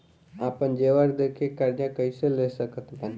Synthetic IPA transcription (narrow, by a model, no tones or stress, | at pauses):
aːpənd͡ʒeːʋəɾd̪eːkʰekaɾd͡ʒãkəiselesəkət̪bən